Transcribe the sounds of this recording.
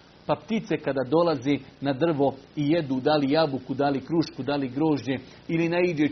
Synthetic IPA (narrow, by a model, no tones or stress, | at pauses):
papt̪it̪se̞kad̪aːd̪o̞lˠazinad̪r̩ʋo̞ije̞d̪uːd̪alijabukud̪alikɾuʃkud̪aliɡɾo̞ːʒɲe̞ | ilinaid͡ʒe